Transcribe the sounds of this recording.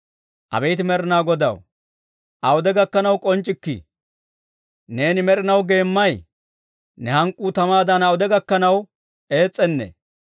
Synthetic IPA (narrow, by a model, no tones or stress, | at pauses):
ʔɐ̰bɛjt̪ɪmɛɾɪnaːɡɔd̪ɐ̰w | ʔɐwʊd̪ɛɡɐkːɐnɐwkʼɔnt͡ʃʼːɪkːḭ | ne̞ːnɪmɛɾɪnɐwɡe̞ːmːɐj | nɛhɐŋkʼːuːt̪ɐmaːd̪ɐnɐwʊd̪ɛɡɐkːɐnɐw | e̞ːt͡sʼːɛnːɛ̰